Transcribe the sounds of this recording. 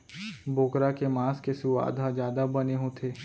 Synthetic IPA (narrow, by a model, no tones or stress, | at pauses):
boːkɾakemaːskesʊʋa̰ːd̪ʱazjaːd̪abəneɦõt̪ʰeː